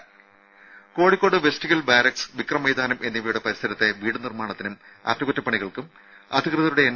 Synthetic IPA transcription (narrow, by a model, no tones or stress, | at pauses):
ko̞ːɽikʲːo̞ːɽɨʋestiɣɐlbaːɾɐksɨ̥ʋikrɐmɐjd̪aːnɐmʔe̞nːiʋɐjuɽepɐɾist̪ʰɐɾɐt̪ːe̞ʋiːɽɨnirmaːɳɐt̪ːinum | ɐ̰ːt̪ːmɐɣutːɐpːɐɳiɣɐɭkɨm | ɐ̰d̪ʱikrɨðɐɾuɽeːnː